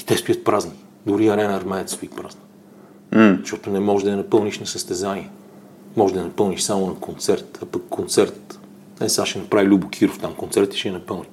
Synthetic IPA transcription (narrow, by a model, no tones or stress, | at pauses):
it̪ɛst̪ojət̪̚pɾazni | d̪oɾiɐɾɛnɐɾmɛɛt̪st̪oit̪pɾa̰znə | m̩zɐʃt̪ɔt̪onɛmɔʒd̪ɐɛnɐpɤlˠniʃnɐsəst̪ɛzaniɛ | mɔʒʲd̪ɐɛnɐpɤlˠniʃsamonɐkont̪sɛɾt̪ɐpɐkːont̪sɛɾt̪ | ɛsaʃɛnɐpɾavilʲubʊkʰiɾoft̪amkont̪sɛɾt̪ə̥ʃɛːnɐpɤlˠni